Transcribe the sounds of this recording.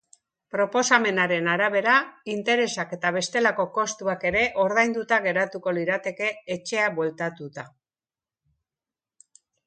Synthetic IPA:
pɾo̞po̞same̞naɾe̞naɾaβ̞e̞ɾaint̪e̞ɾe̞sake̞t̪aβ̞e̞st̪e̞lako̞ko̞st̪uake̞ɾe̞ʔo̞ɾð̞ajnd̪ut̪aɣe̞ɾat̪uko̞liɾat̪e̞ke̞ːt͡ʃe̞abwe̞lt̪at̪ut̪a

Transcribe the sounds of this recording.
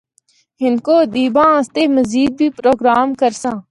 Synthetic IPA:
ɦɪnkoːd̪iːbãːãːst̪eːməziːd̪̚bʱiːpɾoːɡɾaːmkəɾsãː

